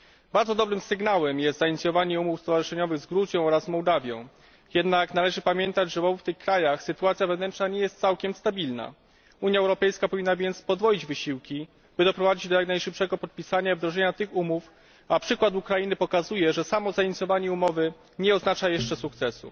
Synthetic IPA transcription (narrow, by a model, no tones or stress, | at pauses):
baɾd̪zɔd̪ɔbɾɘmsɘɡnawɛmjɛst̪zaiɲit̪sʲjɔvaɲɛumufst̪ɔvaʐɘʂɛɲɔvɘɣzɡɾuzʲjɔ̃w̃ɔɾazmɔwd̪avʲjɔ̃w̃ | jɛd̪naknalɛʐɘpamʲjɛnt̪ad͡ʑʐɛɔvuft̪ɘxkɾajaxsɘt̪uat̪sʲjavɛvnɛnt͡ʂnaɲɛjɛst̪t̪sawkʲɛmst̪abʲilna̰ | uɲjaɛwɾɔpɛjskapɔvʲinːavʲjɛnt̪spɔd̪vɔjid͡ʑvɘɕiwkʲi | bɘd̪ɔpɾɔvad͡ʑid͡ʑd̪ɔjaknajʂɘpʂɛɡɔpɔt̪̚pʲisaɲaivd̪ɾɔʐɛɲat̪ɘxumuf | apʂɘkwat̪ukɾajinɘpɔkazujɛʐɛsamɔzaiɲit̪sjɔvaɲɛumɔvɘ | ɲɛɔznat͡ʂajɛʂt͡ʂɛsukt̪sɛsṵ